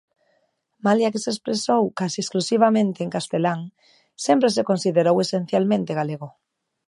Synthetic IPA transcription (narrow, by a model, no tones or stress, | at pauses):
maljakesespɾesowkasiesklusiβ̞amẽnt̪eːŋkast̪elaŋ | sempɾes̬ekonsiðeɾowesẽn̟θjalmẽnt̪eɣaleɣ̞o